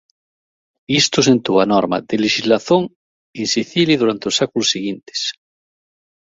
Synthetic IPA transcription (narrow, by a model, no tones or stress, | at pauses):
ist̪os̬ent̪uanoɾma̰ðeleʃizlaθoŋ | ensiθiliðuɾant̪eosakulosːiɣ̞int̪e̥s